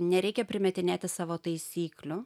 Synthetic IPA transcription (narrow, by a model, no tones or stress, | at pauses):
nʲɛɾʲɛɪkʲɛpʲɾʲɪmʲɛt̪ʲɪnʲæːt̪ʲɪsɑːʋoːt̪ɐɪsʲiːklʲʊ